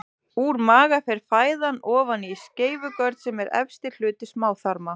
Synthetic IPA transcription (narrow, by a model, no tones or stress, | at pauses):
uːɾmaːɣafɛɾ̥faːjðanɔːvanisceːjvʏkœɾt̪sɛmɛɾɛ̰fst̪ɪ̥l̥ʏːt̪ɪsmaːwθaɾma